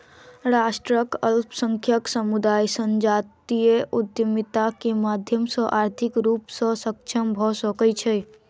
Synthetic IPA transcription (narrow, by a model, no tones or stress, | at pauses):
ɾasʈɾəkəlpʰsəŋkʰjəksəmud̪ajsənd͡ʒat̪ijeut̪ːimit̪akemad̪ʱjəmsə̃ʔaɾt̪ʰikɾupsə̃sək̚t͡ʃʰəmbʱɔsəkət͡ʃʰɛ